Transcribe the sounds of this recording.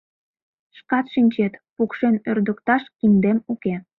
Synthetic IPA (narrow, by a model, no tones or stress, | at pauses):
ʃkɑt̪ʃinʲt͡ɕet̪pukʃenørd̪əkt̪ɑʃkimd̪emuke